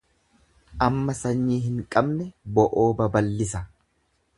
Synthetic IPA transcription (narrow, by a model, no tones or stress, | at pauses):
ʔɐmːɐsɐɲːiːɦɪŋkʼɐbnɛbɔʔoːbɐbɐlːɪsɐ